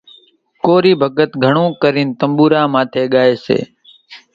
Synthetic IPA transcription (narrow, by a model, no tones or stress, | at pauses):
koːɾiːbʱəɡət̪ɡʱəɳõːkəɾiːnt̪əmbuːɾaːmãːt̪ʰeːɠaːeːsḛː